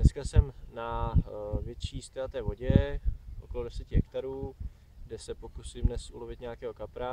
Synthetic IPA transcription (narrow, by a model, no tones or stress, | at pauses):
nɛskasɛmna | vjɛt̪t͡ʃiːst̪ɛlat̪ɛːvo̞ɟɛʔoko̞lo̞dɛsɛcɪɦɛkt̪aɾuː | ɡdɛsɛpokusɪmdnɛsʔulo̞vɪt̪ɲaakɛːɦo̞kapɾa